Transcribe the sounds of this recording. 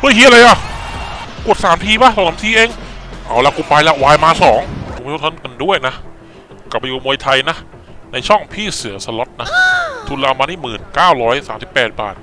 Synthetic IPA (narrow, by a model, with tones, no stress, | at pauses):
mu˧˥˩jhiː˦˥ʔa˧la˧jʔa˨˩ | ku˨˩ət̪̚saː˩˦mt̪ʰiː˧ba˦˥˩sɔ˨˧˩sa˨˦mt̪ʰiː˧ʔeː˧ŋʔa˧˩wlɛ˧˥wkuː˧˩pa˧jlɛ˦˥waː˧jmaː˧sɔː˩˦ŋpʰmʰː˧˦˥t̪ʰːnka˧ndu˥˩əjna˦˥ʔ | ka˨˩p̚ːa˧juː˨˩mu˧ə˧jt̪ʰa˧jna˦˥ʔ | na˧jt͡ɕʰɔ˥˩ŋpʰiː˥˩sɯ˨˩˦ɐsa˧lɔ˦˥t̪̚na˦˥ʔt̪ʰu˧nla˧maː˧niː˥˩mɯː˨˩nkaː˥˩wɾɔː˦˥jsaː˩˦msi˨˩pːɛː˨˩t̪̚ba̰ː˨˩t̪̚